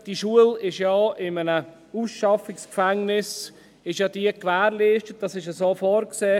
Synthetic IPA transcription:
d̥iʃuəlɪʃjɑːɪmənə | usʃɑfɪkskfɛŋnɪs | ɪʃjɑːdiəkʋæːɾliːʃtət̚d̥ɑsɪʃəsoːfoːɾkseː

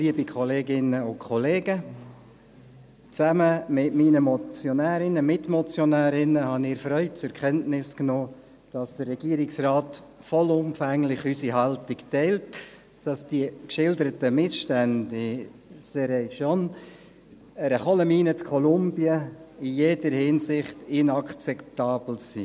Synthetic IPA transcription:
liəbikʰɔleːɡɪnəʊkʰɔleːɡə | t͡sæməmɪtminəmɔt͡sjonæːɾɪnəmɪtmɔt͡sjɔnæːɾɪnəhɑnɪːɾfɾœʏt͡sʊɾkχɛntnɪsknoː | d̥ɑsd̥ərːɛɡ̥iəɾɪksrɑːt | fɔlʊmfæŋlɪχysiɦɑltɪktɛɪlt | d̥ɑsd̥iəkʃɪldəɾətəmɪsʃtændɪsɛɾɛjʃɔn | əɾəχɔləmiːnət͡skʰɔlʊmb̥jəijed̥əɾhɪnsɪχtɪnɑkt͡sɛptɑːb̥l̩sḭ

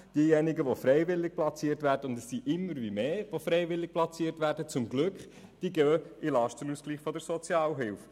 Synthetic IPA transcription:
d̥iəjɛnɪɡəʋofɾɛɪvʋɪlːɪɡ̚plɑt͡siːətʋæːɾdəʊndɛssiʔɪmːəɾʋimeːʋofrɾɛɪvɪlɪk̚plɑt͡siəɾtʋæːɾdət͡sʊmɡ̥lʏkχ | d̥iːɡœːɪlɑːʃtənuːskliːχfɔdəɾsɔt͡sjɑːlɦɪlf

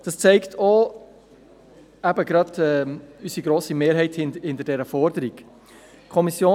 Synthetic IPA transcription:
d̥ɑst͡sɛɪktʰo | æbəɡɾɑdɛysiɡɾoːsimeːɾɦɛɪthɪndhɪntəd̥ɛɾəfɔɾdəɾik | kʰɔmisjoː

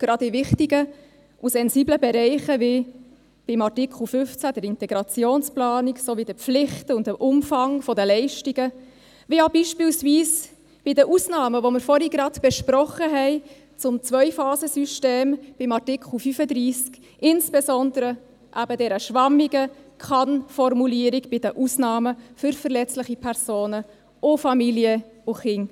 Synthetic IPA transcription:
ɡ̥ɾɑdɪvɪχtiɡə | ʔusɛnziːbləbɛɾɛɪχəvɪ | b̥ɪmɑtikl̩ˠfʏft͡sæd̥əɾɪntɛɡɾɑt͡sjoːnsplɑːniksoʋidəflɪχtʊndəʔʊmfɑŋfɔdəlɛɪʃtiɡə | ʋijabiʃpɪːlsviːs | b̥ɪdəʔusnɑːməʋoməɾfɔɾiɡɾɑtb̥ɛʃprɔχəɦɛɪ | t͡sʊmt͡svœʏfɑːzəsyʃteːmb̥ɪmɑrtɪkχl̩fyfədɾiːsk | ɪnsb̥ezɔndəɾə | ʔæbədɛɾəʃʋɑmiɡəkʰɑnfɔrmuliːəɾiɡb̥ɪdəʔusnɑːməfʏɾfəɾlɛt͡sləχipʰɛɾsoːnə | ʔʊfɑmiljəʊχɪn

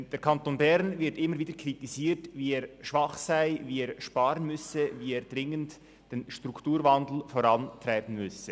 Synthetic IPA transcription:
d̥eːɾkʰɑntoːnbɛɾnvɪɐtɪmːəɾviːdəkʰritiziːtviːeːʁʃvɑχsaɪviːeːɐʃpaːɾənmʏsəviːeːd̥ʁɪŋənt | d̥eːnʃtʁ̥uktuːɾvandl̩foɾɑntʁaɪbən̩mʏsə

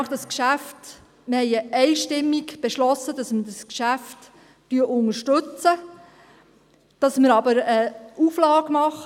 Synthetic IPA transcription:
χd̥ɑskʃæft | məhɛɪəʔɛɪʃtɪmːiɡb̥eʃlɔsːəd̥ɑsmədɑskʃæft | tyəʔʊŋəʃtɵt͡sə | d̥ɑsməɾɑbəɾəuflɑːɡmɑχ

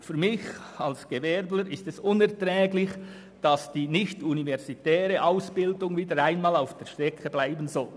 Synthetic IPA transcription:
fyːɾmɪçɑlsɡ̥evɛɾbləɾɪstɛsʊnɛɐtʁɛːɡlɪç | d̥ɑsd̥iːnɪçtunivɛʁzitɛːɾəʔaʊsb̥ɪldʊŋviːdəɾaɪnmɑːlaʊfd̥eːɾʃtɾ̥ɛkəblaɪbənzɔl

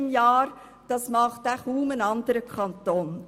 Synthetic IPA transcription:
ɪmjɑːɾ | d̥ɑsmɑχtæχuːmənɑnd̪əɾəkʰɑnt̪oːn

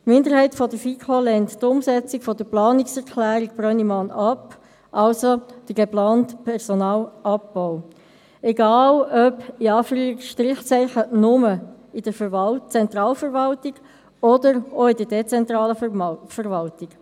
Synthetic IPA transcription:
tmɪnd̪əɾhɛɪtfɔdəɾfikʰolɛnttʊmsɛt͡sikfɔd̥əplɑːnɪksɛɾkʰlæːɾiɡb̥ɾœnimɑnɑp | ʔɑlsod̥əɡeplɑːntpʰɛʁsonɑːlɑpːɔʊ | ɛɡɑːlœpiɑːfɾyːɾikʃtɾɪχt͡sɛɪχənʊməɪd̥əɾt͡sɛnt̪rɑːlfəɾvɑltiɡ̥ | ɔdəɾoɪdəɾdɛt͡sɛntɾɑːləfəɾʋɑltiɡ̥

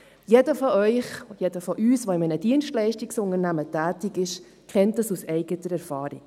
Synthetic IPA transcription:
jedəfɔʔœʏχjedəfɔʔyːsʋɔɪmɛnəd̥iənʃtlɛɪʃtiksʊnənæmətæːtɪkɪʃ | kʰɛntəsusɛɪɡətəɾɛɾfɑːɾɪ̰k

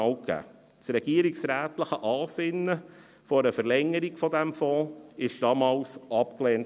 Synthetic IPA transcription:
ɑwkæ̰ː | t͡sɾɛɡ̥iəɾiksɾæːt̪ləχəʔɑːsɪnːə | fɔɾəfəɾlɛŋːəɾiɡfɔdæmfɔːɪʃd̥ɑmɑːwsʔɑpkleːnt

